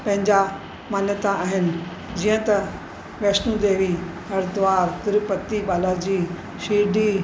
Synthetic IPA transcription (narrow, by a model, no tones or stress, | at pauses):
pɐ̃ɦɪ̃ɲd͡ʑa | maːnjət̪aaːɦɪnɪ̆ | d͡ʑijə̃t̪ɐ | ʋeːsnũd̪eːʋi | ɦɐɾd̪ʊʋaːɾt̪ɪɾpɐt̪iɓaːlaɾd͡ʑiː | ʃiːɖʱi